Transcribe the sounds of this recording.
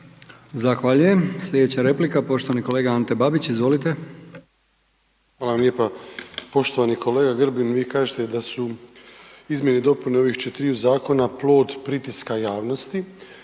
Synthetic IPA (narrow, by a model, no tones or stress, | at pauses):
zaxʋaːʎuje̞msʎʲe̞d̪et͡ɕaɾe̞plikapo̞ʃt̪o̞ʋaniko̞le̞ːɡaant̪ebabit͡ɕizʋo̞lit̪e̞ | xʋaːlaʋamlʲeːpapo̞ʃt̪oʋanikʰo̞leːɡaɡr̩binʋiːkaːʒet̪ed̪asu | izmʲjenid̪o̞puneo̞ʋixt͡ʃet̪iɾiuzaːko̞naplˠo̞ːd̪pɾit̪iskajaːʋnost̪i